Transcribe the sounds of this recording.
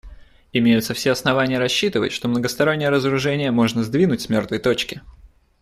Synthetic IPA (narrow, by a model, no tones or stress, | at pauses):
ɪmʲejʊt̪səfsʲeɐsnɐvanʲɪjəɾɐɕːit̪ɨvə̰tʲʂt̪o̞mnəɡəst̪ɐɾo̞nʲːɪjəɾəzəɾʊʐɛnʲɪjəmo̞ʐnəzd̪vʲinʊtʲsʲmʲo̞rt̪vəjt̪o̞t͡ɕkʲɪ